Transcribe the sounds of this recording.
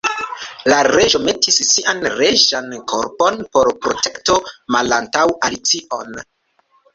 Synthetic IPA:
laɾe̞ʒo̞me̞tisːiʔanɾe̞ʒankʰo̰ɾpo̞npo̞ɾpɾo̞te̞kto̞malantawalit͡siʔo̞n

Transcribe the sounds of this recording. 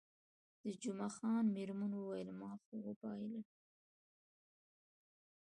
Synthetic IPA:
d̪̥əd͡ʒumaxɑːnmɪɾmanwuwajɪlmɑxoɣopɑjla

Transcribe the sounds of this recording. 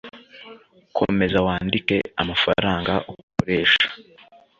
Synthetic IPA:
kʰo̞̰me̞zawaːndike̞amafa̰ɾaːŋɡaʔokoɾe̞ːʃḁ

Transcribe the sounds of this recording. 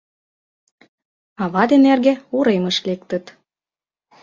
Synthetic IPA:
ɑβɑd̪enerɣeuɾeməʃlek̚t̪ə̆t̪

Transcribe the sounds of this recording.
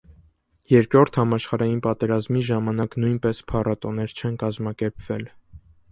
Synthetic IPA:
jɛɾkɾɔɾt̪ʰhɑmɑʃχɑɾɑjinpɑt̪ɛɾɑzmiʒɑmɑnɑknujnpɛspʰɑrɑt̪ɔnɛɾt͡ʃʰɛnkɑzmɑkɛɾpʰv̥ɛl

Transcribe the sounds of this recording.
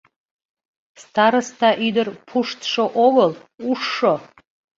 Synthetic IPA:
stʰaɾɨstʰaʔidɨrpʰuʂtʰʂoʔoɡəluʂːo

